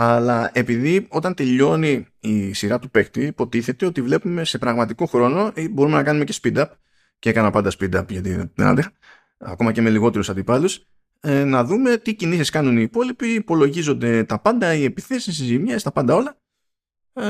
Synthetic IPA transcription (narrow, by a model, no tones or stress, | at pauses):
ɐlɐe̞piðio̞t̪ɐnt̪e̞ʎo̞niː | siɾɐt̪upe̞kt̪iːpo̞t̪iθe̞t̪e̞o̞t̪ivle̞pume̞se̞pɾɐɣmɐt̪iko̞xɾo̞no̞ʔibo̞ɾumenɐkɐnume̞ce̞spid̪ɐp | ceekɐnɐpɐnd̪ɐspid̪ɐpʝɐt̪iðḭnɐ̰nd̪exɐ | ɐ̰ko̞mɐce̞me̞liɣo̞t̪e̞ɾusɐnd̪ipɐlus | nɐðume̞t̪icinisiskɐnuniːpo̞lipiːpo̞loʝizo̞nd̪e̞t̪ɐpɐnd̪ɐie̞piθe̞sisizimɐst̪ɐpɐnd̪ɐo̞lɐ